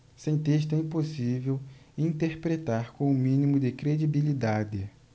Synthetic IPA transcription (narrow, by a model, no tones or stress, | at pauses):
sẽj̃t̪eʃ̬t̪ʊɛĩposivewĩnt̪eɾpɾet̪aɾkõʊmĩnimʊd̪ɪkɾed͡ʒibilid̪ad̪ɪ